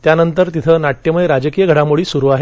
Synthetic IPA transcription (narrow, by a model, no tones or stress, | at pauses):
t̪janənt̪əɾt̪it̪ʰənaʈːjəməeɾad͡ʑəkijəɡʱəɽamoɭiːsuɾuːaɦe